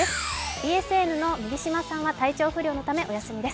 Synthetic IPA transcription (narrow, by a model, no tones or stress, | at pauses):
esɨ̥bʲiːe̞sɨe̞nɯ̟no̞mʲiɡʲiɕimasãɰ̃βat̪ait͡ɕo̞ːɸɯ̟ɾʲo̞ːnot̪ame̞ʔo̞jasɨmʲid̪e̞sɨ̥